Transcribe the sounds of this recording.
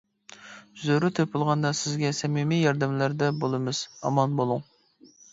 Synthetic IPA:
zøɾyt̪ʰepʊlˠʁɑnd̪ɑsɪzɡʲɛsɛmimijɑɾd̪ɪmlæɾd̪ɛbolˠɨmɨz̥ɑ̰mɑnbolˠuŋ

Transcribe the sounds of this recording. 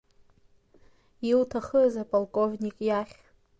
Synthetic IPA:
iltʰaχəzapʼalkʼovnʲikʼjaχʲ

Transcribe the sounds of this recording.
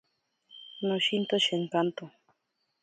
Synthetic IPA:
noʃint̪oʃeŋkant̪o

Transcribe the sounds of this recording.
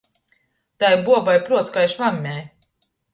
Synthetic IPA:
t̪ajbuɔbajpɾuɔt̪skajʃvamʲːæj

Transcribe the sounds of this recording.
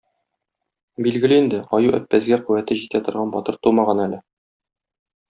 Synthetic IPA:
bilɡɘ̆lɘind̪ɘɒjuʔæ̰pːæzɡæqʉwæt̪ɘʑit̪æt̪ŏɾʁɑnbɒt̪ɤɾt̪umɑʁɑnælɘ

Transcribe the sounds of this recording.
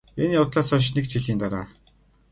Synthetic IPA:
eniːʊt̪ɮaːsɔʃ̬nekt͡ɕʰiɮiːnt̪aɾa̰ː

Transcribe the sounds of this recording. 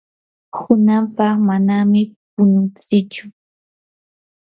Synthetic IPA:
hʊnampɑχmanamɪpʊnʊnt͡sɪt͡ʃʊ̥

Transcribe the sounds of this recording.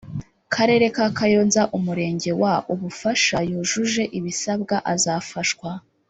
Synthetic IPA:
kʰaɾe̞ːɾe̞kakajo̞ːnzaʔumuɾe̞ːɲɟe̞waʔuβufaʃajoːʒuʒe̞ʔiβisabɡaʔazaːfaʃkwa

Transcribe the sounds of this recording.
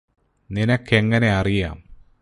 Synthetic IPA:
ninɐkʰːe̞ŋːɐne̞ɐrija̰ːm

